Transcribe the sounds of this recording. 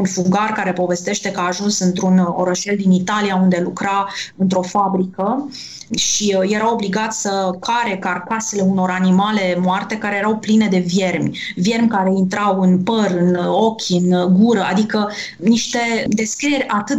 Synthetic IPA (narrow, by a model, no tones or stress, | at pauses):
unfuɡarkaɾe̞po̞ve̞st̪e̞ʃt̪e̞kaːʒunsɨnt̪ɾuno̞̰ɾəʃe̞ld̪init̪alijaund̪e̞lukɾaɨnt̪ɾo̞fabɾikə | ʃije̞ɾawo̞bliɡat̪sʲsəkʰaɾe̞karkase̞le̞uno̞ɾanimale̞moart̪e̞kaɾe̞jeɾawpline̞d̪e̞vje̞rmʲ | vʲje̞rmʲkaɾe̞int̪ɾawɨnpəɾɨno̞kʲɨnɡuɾəa̰d̪ikə | niʃt̪e̞d̪e̞skɾije̞ɾʲat̪ɨt̪